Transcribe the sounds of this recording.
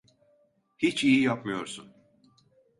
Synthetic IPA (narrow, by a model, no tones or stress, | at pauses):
hit͡ʃijijapmɯjo̞ɾsun